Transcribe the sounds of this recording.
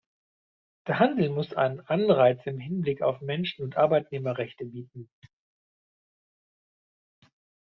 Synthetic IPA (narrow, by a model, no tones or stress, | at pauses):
d̥eːɐɦandl̩mʊsʔa̰ɪnənʔanʁaɪt͡sɪmɦɪnblɪka̰ʊfmɛnʃn̩ʊntʔaɐbaɪtneːmɐʁɛçtəbiːt̚n̩